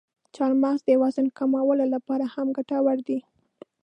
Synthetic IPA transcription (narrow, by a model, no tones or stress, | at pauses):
t͡ʃɑɾmazd̪əjawɑzɪnkamawəlolapɑɾahamɡaʈawaɾd̪i